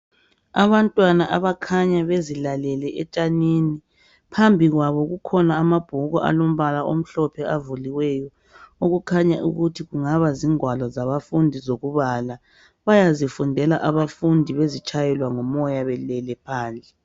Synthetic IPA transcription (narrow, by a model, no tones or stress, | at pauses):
aβantʼwanaʔaβakʰaɲaβezilalɛlɛʔɛt͡ʃʼanini | pʰambʱiɣwaβɔɣukʰɔnaːmab̥ʱuɣɔ̰ʔa̰lom̩βalaom̩ɬɔpʰɛavuliwɛjɔ | oɣukʰaɲaʔṵɣutʰiɣuŋaβaziŋwalɔzaβafundʱizoɣuβala | βajazifundʱɛla̰ʔaβafundʱiβezit͡ʃʰʼajɛlwaŋɔmɔjaβɛlɛlɛpʰaːnd͡ɮʱɛ